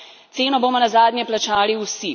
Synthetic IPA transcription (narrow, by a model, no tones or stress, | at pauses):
t̪seːnɔboːmɔnazaːd̪nʲjɛplat͡ʃaːliwsi